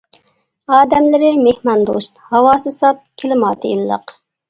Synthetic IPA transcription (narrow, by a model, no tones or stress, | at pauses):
ɑːd̪ɛmlɪɾɪmehmɑnd̪o̰ʃt̪hɑwɑːsɨsɑp̚kʲʰelɪmɑːt̪ʰɨilˠlˠə̰q